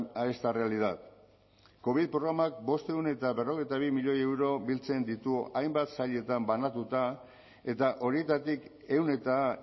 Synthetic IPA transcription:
aest̪are̞aliðat̪ | ko̞β̞iðpɾoɣ̞ɾamak̚bo̞st̪e̞une̞t̪aβe̞ro̞ɣ̞e̞jt̪aβ̞imiʎo̞je̞wɾo̞bilt͡se̞nd̪it̪uajmbat̪saʎe̞t̪ambanat̪ut̪a | e̞t̪aʔo̞ɾie̞t̪at̪ik | e̞wne̞t̪a

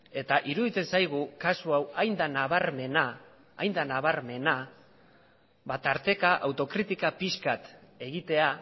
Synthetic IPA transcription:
e̞t̪aʔiɾuðit͡s̪e̞nsajɣ̞ukasuawajnd̪anaβaɾme̞naː | jnd̪anaβaɾme̞na | bat̪aɾt̪e̞kaʔawt̪o̞kɾit̪ikapiskat̪e̞ɣit̪e̞a

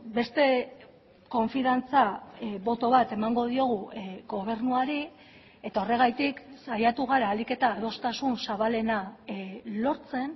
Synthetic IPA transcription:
be̞st̪e̞ | ko̞ɱfiðant͡saβo̞t̪o̞β̞at̪e̞maŋɡo̞ð̞io̞ɣ̞uɣo̞β̞e̞ɾnuaɾi | e̞t̪ao̞re̞ɣ̞ajt̪iksajat̪uɣ̞aɾaːlike̞t̪aːð̞o̞st̪asunsaβale̞na | lo̞ɾt͡se̞n

